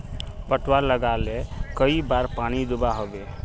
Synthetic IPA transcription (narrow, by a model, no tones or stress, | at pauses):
pəʈwaɾləɡalekəibaɾpanid̪ubaɦobe